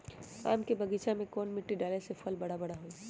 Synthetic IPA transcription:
a̰ːmkebɐɡiːt͡ʃamẽkoːnmɪʈːiɖaːlesefʰəlbɐɽabɐɽaɦoːi

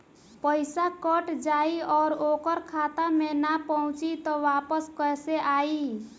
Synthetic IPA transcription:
pəɪsakəʈd͡ʒaːiɔːɾokəɾkʰaːt̪amẽnapɔɦʊ̃t͡ʃit̪ɔʋaːpəskəseʔaːi

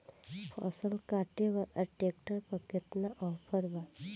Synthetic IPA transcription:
fʰɔ̰səlkaʈeʋəɾəʈek̚ʈəɾpəkːet̪naʔɔpʰəɾba

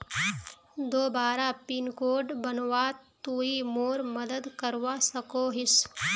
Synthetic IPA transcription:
d̪oːbaːɾapinkoːɖbənwaːt̪uːimoːɾmɐd̪əd̪kəɾwasɐkoːɦɪs

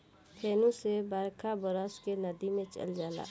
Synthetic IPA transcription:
kʰeːnũsebaːɾkʰabəɾɔskenəd̪imẽt͡ʃə̰ld͡ʒaːla̰ː

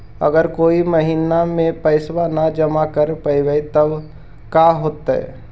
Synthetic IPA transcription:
ə̰ɡəɾkoːiməɦiːnamẽpəɪswanad͡ʒəmakəɾpəɪwəit̪əb | kaɦoːt̪ɦɛ̰

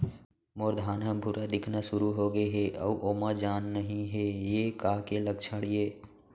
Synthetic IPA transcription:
moːɾd̪ʱaːnɦə̃mbʱʊɾad̪ɪkʰnasʊɾuɦoɡəeɦɛʔə̰uʔoːmad͡ʒaːnːəɦĩɦɛjekaːkeləɡ̚t͡ʃʰəɽjeː

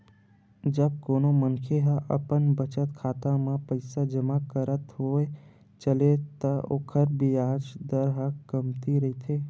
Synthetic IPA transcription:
d͡ʒəb̚koːnomənkʰeɦəʔə̰pənbət͡ʃət̪kʰaːt̪amãpəɪsad͡ʒəmakəɾət̪ɦoːe | t͡ʃəlet̪ɐo̰ːkʰəɾbiaːd͡ʒd̪əɾɦəkɐmt̪iɾɐɦit̪ʰeː

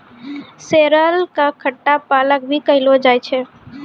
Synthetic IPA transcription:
seːɾəlkakʰəʈːapaːlək̚bʱikəɦɪlod͡ʒaːjt͡ʃʰɛ

